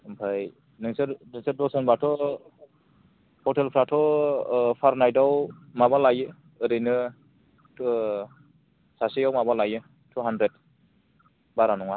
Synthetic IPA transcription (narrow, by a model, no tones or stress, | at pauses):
mpʰaj | nɯŋsɯɾnɯsɯdɔsɯnbatʰɔ | pʰɔtʰelpʰɾatʰɔ | pʰaɾnajdawmabalajɯː | ɾɯjnɯ | sasijawmabalajɯ | tʰuɦandɾed̚ | baɾanɔŋa